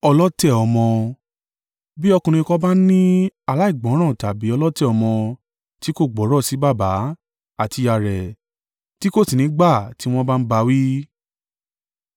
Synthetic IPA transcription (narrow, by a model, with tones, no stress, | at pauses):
ɔ˧lɔ˦tɛ˦˨ɔ˧mɔ̃˧ | bi˦ɔ˧kũ˧ɾ̃ĩ˧kɔ˧ba˦nĩ˦a˨la˨˦i˦˨ɡ͡bɔ̃˨˦ɾ̃ã˦˨ta˨bi˨˦ɔ˧lɔ˦tɛ˦˨ɔ˧mɔ̃˧ | ti˨˦ko˦˨ɡ͡bɔ˨˦ɾɔ˦˨si˨˦ba˦˨ba˨˦ | a˦˨ti˧ja˧˨ɾɛ˨ | ti˦ko˦˨si˨nĩ˨˦ɡ͡ba˦˨ti˦w̃ɔ̃˦ba˦n̩˦ba˧˦wi˦